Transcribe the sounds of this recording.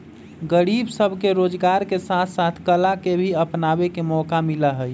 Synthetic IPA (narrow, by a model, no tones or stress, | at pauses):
ɡəɾibsəbʱkeɾod͡ʒɡaɾkesat̪ʰsat̪ʰkəlakebʱiəpnabekemɔkamiləɦəj